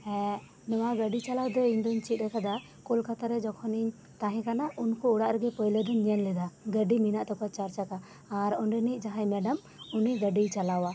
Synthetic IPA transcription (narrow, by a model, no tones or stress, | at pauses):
ɛ̃ | nɔwaɡəɖit͡ʃalawd̪ɔiɲd̪ɔɲt͡ʃit̪̚ɛkad̪a | kɔlkat̪aɾɛd͡ʒɔkʰɔniɲ | t̪aɦɛ̃kanaʔunkuuɽaʔɾɛɡɛpɔjlɛd̪ɔɲɲənlɛd̪aɡəɖiminaʔt̪ɔkat͡ʃaɾt͡ʃakaː | ɾɔɳɖɛnicd͡ʒaɦajmɛɖəm | uniɡəɖijt͡ʃalawa